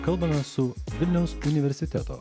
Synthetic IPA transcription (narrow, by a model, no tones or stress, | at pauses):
kɐlˠbɐmʲɛsʊʋʲɪlʲnʲɛʊsʊnʲɪʋʲɛɾʲsʲɪt̪ʲɛt̪o̰ː